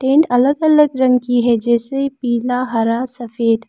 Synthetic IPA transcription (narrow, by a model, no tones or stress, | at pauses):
ʈẽːɳʈɐləɡɐləɡɾɐ̃ŋɡ̚kiɦɛd͡ʒɛːsepiːlaɦɐɾasɐfeːd̪